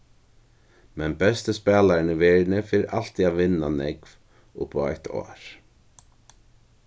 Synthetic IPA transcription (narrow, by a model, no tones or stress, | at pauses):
mɛnpɛst̪ɪspɛːlaɾɪnɪvɛːɾɪnɪfɪɾɪɾʔal̥t̪iaðvɪnːanɛkv̥ | ʊ̰hpɔa̰jht̪ʰɔ̰ːɾ̥